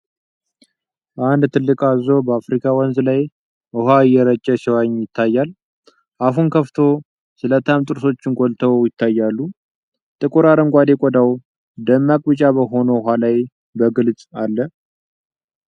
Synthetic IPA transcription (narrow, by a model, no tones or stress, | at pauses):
ʔand̪t̪ʰɨlːɨkʼazo̞bəafɾikʰawɔnzlaj | əɦaɨjːɛɾət͡ʃʼːɛsiwaɲjɪt̪ʰːajːal | ʔaɦunkʰəft̪ʰo | sɨlət̪ʰamt̪ʼɨɾso̞t͡ʃːɪnɡolt̪ʰəwjɪt̪ʰːajːalːu | t̪ʼɨkʼuɾaɾɨŋɡʷad̪ekʼɔd̪aw | d̪əmːakʼbɨt͡ʃʼabəɦo̞noɦalaj | bəɡɨlt͡sʼalːə